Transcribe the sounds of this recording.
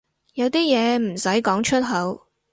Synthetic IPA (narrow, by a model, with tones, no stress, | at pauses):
jɐ˨˧wt̪iː˥jɛː˨˧m̩˨˩sɐ˨˥jkɔː˨˥ŋt͡ʃʰɵ˥t̚ɦɐ˨˥w